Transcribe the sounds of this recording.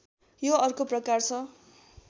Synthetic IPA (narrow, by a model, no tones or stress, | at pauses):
joʌrkoprʌkart͡sʰʌ